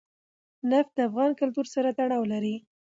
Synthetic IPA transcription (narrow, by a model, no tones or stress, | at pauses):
naft̪̚d̪əafɣɑnkʊlt̪uɾsaɾat̪aɽ̃ɑwlaɾi